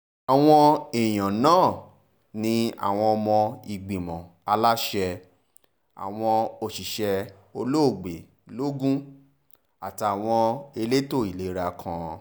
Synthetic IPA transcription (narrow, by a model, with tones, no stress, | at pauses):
a˨w̃ɔ̃˧e˨j̃ã˨nãː˦˨ | nĩ˧a̰˨w̃ɔ̃˧ɔ˧mɔ̃˧i˧˨ɡ͡bĩ˨mɔ̃˨ | a˧la˦ʃɛ˧ | a̰˨w̃ɔ̃˧o˧˨ʃi˨ʃɛ˧ | o˧lo˦o˦˨ɡ͡be˨ | lo˦ɡũ˦ | a̰˨ta˨a˨w̃ɔ̃˧e˧le˦to˦˨i˨le˨˦ɾa˧kʰã˧